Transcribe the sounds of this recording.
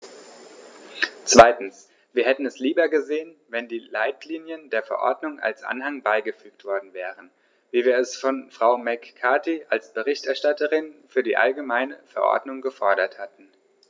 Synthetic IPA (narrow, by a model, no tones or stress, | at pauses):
t͡sv̥aɪtn̩s | v̥iːɐhɛtn̩ɛsliːbɐɡəzeːənvɛndiːlaɪtʰliːnjəndeːɐfɛɐʔɔ̰ɐdnʊŋʔa̰lsʔa̰nhaŋbaɪɡəfyːk̚tv̥ɔɐdn̩vɛːʁən | viːviːɐɛsfɔnfʁ̥aʊmɛkʰːaɐtiʔalsb̥əʁɪçtɛɐʃtatəʁɪnfyːɐdḭːʔa̰lɡəmaɪnəfɛɐʔɔ̰ɐdnʊŋɡəfɔɐɾɐthatn̩